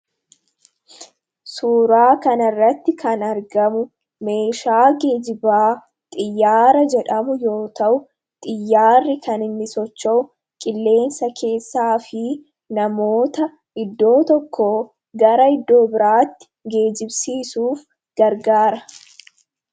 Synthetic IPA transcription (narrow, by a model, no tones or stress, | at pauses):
suːɾaːkɐnɐrːɐt̪ːɪkɐnɐɾɡɐmʊ | me̞ːʃaːɡe̞ːd͡ʒɪbaː | t̪ʼɪjːaːɾɐd͡ʒɛᶑɐmʊjo̞ːt̪ɐʔʊ | t̪ʼɪjːaːrːɪkɐnɪnːɪsɔt͡ʃːɐʔʊ | kʼɪlːe̞ːnsɐkʰe̞ːsːaːfɪ | nɐmo̞ːt̪ɐ | ɪd̪ːo̞ːt̪ɔkʰːoː | ɡɐɾɐɪd̪ːo̞ːbɪɾaːt̪ːɪ̥ | ɡe̞ːd͡ʒɪbsiːsuːf | ɡ̥ɐɾɡaːɾɐ